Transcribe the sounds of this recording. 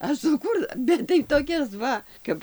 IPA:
ɐʃ sʊˈkuːr ˈbʲɛt tɐɪ toːˈkʲɛs ˈʋɐ ˈkɐp

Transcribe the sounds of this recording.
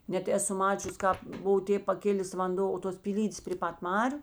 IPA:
ˈnʲɛt ˈæːˌsʊ ˈmɑːt͡ʃʲʊs ˈkɑːp ˈbʊʋoː ˈtʲeːp pɐˈkʲɪlʲeːs ʋɐnˈdoː oː toːs pʲiːˈlʲiːdʲeːs pʲrʲeː ˈpɐt ˈmɑːrʲʊ

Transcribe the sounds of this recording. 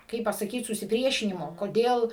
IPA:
ˈkɐɪp pɐsɐˈkʲiːt sʊsʲɪˈpʲrʲiɛʃʲɪnʲɪmoː koːˈdʲeːlˠ

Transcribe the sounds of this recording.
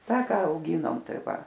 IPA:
ˈtɑː ˈkɑː ɐʊˈɡʲiːnoːm ˈtɐɪ ˈʋɐ

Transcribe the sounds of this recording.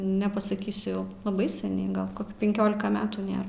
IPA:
nʲɛpɐsɐˈkʲiːsʲʊ jɛʊ lˠɐˈbɐɪ sʲɛˈnʲɛɪ ˈɡɐlˠ ˈkoːkʲɪ pʲɛŋʲˈkʲoːlʲɪkɐ ˈmʲæːtuː ˈnʲeːr

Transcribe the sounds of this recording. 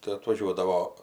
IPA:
tɐɪ ɐtʋɐˈʒʲuɔdɐʋoː

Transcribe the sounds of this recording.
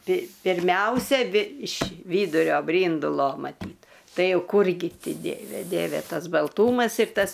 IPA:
pʲɪ pʲɪrʲˈmʲɛʊsʲɛ ɐˈbʲɪ ɪʃ ˈʋʲiːdʊrʲoː ˈbʲrʲiːndʊlˠoː mɐˈtʲiːt ˈtɐɪ ˈjɛʊ ˈkuːrʲɡʲɪ ˈtʲɪ ˈdʲiɛʋʲɛ ˈdʲiɛʋʲɛ ˈtɐs bɐlˠˈtuːmɐs ɪr ˈtɐs

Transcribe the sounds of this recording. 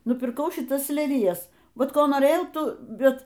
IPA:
nʊpʲɪrˈkɐʊ ʃʲɪˈtɐs lʲɛlʲɪˈjɛs ˈʋɐt ˈkoː noːˈrʲeːjɛʊ ˈtuː ˈbʲɛt

